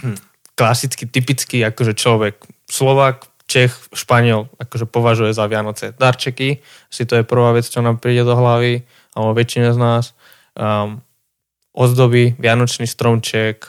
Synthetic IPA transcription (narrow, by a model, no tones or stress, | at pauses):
klasit͡skit̪ipit͡skiakɔʒɛt͡ʃlɔʋɛkslɔʋaːk | t͡ʃɛxʃpaɲɪɛlakɔʒɛpɔʋaʒujɛzaʋɪanɔt͡sɛd̪aɾt͡ʃɛki | ḁsit̪ɔjɛpr̩ʋaːʋɛt͡st͡ʃɔnaːmpɾiːɟɛd̪ɔɦlaʋi | albɔʋɛt͡ʃinaznaːs | ʔɔd̪d̪ɔbiʋɪanɔt͡ʃnist̪ɾɔmt͡ʃɪɛk